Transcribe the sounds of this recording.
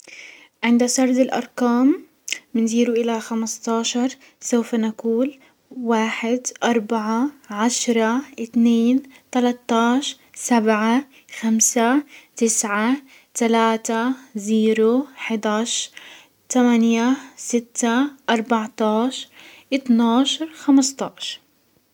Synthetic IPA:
ʕɪnd̪asɑɾˤd̪ɪlʔɑ̰ɾˤkaːmː | ɪnziːɾuʔɪlaxamst̪ˤɑːʃɑɾˤ | sawfanakuːl | waːħɪd̪ʔɑɾˤbaʕaʕaʃɾˤɑʔɪt̪neːnt̪alat̪ˤːɑːʃ | sabʕa | xamsat̪ɪsʕa | t̪alaːt̪aziːɾoħɪd̪aːʃ | t̪amanjasɪt̪ːaʔɑɾˤbaʕt̪ɑːʃɾʔɪt̪nɑːʃɑɾˤxamɪst̪ˤɑːʃɑɾ

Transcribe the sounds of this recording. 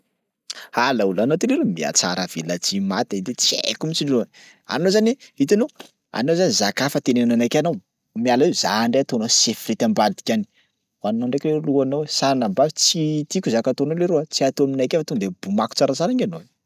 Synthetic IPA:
alaulanot̪ileɾumia̰t͡sa̰ɾəv̥ilət͡simat̪ad̪et͡siḛkumit͡ʃiluan | a̰nozaniit̪ano | a̰nozanizakafət̪eneananakanow | mialaezaɳɖ͡ʐejat̪onosefirit̪ambad̪i̥kʲani̥ | wannaɳɖ͡ʐekleluanowesanambavit͡sit̪ikuzakat̪onoleɾoat͡siat̪oaminajkʲafat̪ond̪ebumaku̥t͡saɾat͡saɾaŋano̥

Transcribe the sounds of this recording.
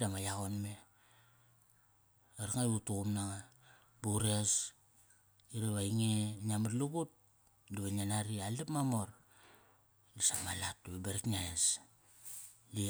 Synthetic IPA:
damajaɣonme | eɾaŋautuɣumnaŋa | buɾes | iɾeβaiŋenamatluɡut̚ | diβananaɾialipmamoɾ | lisamalatːubeɾiknaes | li

